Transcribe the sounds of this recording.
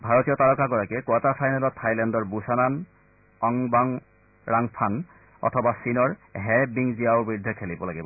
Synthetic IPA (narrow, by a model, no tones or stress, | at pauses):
bʱaɹotijɔtaɹɔkaɡɔɹakɛkwatapʰajnalɔtʰːajlɛndɔɹbusanan | ɔŋbaŋ | ɹaŋpʰan | ɔ̰tʰɔbasinɔɹɦɛbiŋzijaʊbɹidʱːɛkʰelibɔlaɡibɔ